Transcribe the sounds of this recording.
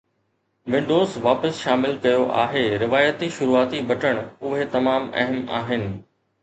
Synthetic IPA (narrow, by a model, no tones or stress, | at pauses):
ʋɪ̃ɳɖoːzʋaːpəsʃaːmɪlkɐjoʔa̰ːɦeːɾɪʋaːjət̪iʃʊɾuːaːt̪ibʱɐʈəɽ̃ʊɦet̪ɐmaːmɛ̰ɦəma̰ːɦɪnɪ̆